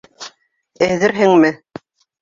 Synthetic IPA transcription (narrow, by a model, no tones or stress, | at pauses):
ɘ̆ðɘɾɦɘŋmɘ